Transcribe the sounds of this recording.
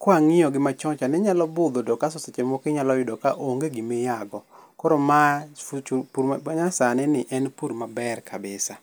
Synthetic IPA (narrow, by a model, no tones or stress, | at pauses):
kwaŋɪjɔɡɪmat͡ʃɔt͡ʃanɛɲalɔbʊd̪ɔdɔkasɔset͡ʃemɔkɪɲalɔjʊdɔkaʔoŋɡeɡimejaɡɔkɔɾoma | puɾaɲasanɛnɪʔɛnpuɾmabɛrkʰabɪsa